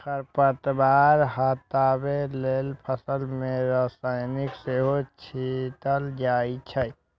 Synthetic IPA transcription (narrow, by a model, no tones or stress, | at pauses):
kəɾpət̪baːɾɦət̪aːbeleːlpʰəsəlmẽɾəsaːɪnikseɦot͡ʃʰit̪əld͡ʒaːit͡ʃʰəj